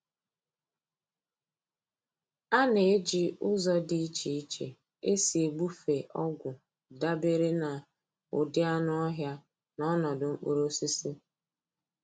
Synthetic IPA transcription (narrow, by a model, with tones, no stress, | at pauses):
a˦ne˨e˦d͡ʒi˦ʊ˦zɔ˦di˨i˦t͡ʃi˨i˦t͡ʃḛ˨ | e˦si˨e˨ɡ͡bu˦fe˨ʔɔ˦ɡʷʊ˨ | da˦be˦ɾe˦na˨ | ʊ˨dɪ˦a˦nʊ˦ɔ˦ɦja˦ | nɔ˦nɔ˨dʊ˨ŋ͡m̩˦k͡po̰˦ɾo˦si˦si˦